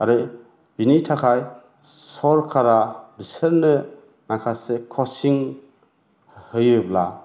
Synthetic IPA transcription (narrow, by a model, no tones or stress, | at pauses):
aɾɯ | binitʰakʰaj | sɔɾkʰaɾaɾisəɾnɯ | nakʰasekʰɔsiŋ | hɯjɯbla